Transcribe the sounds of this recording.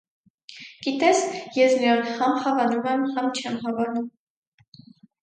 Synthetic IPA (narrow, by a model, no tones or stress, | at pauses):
ɡ̥it̪ɛsjɛsmiɾɔnhɑmhɑvɑnumɛmhɑmt͡ʃʰɛmɦɑvɑnum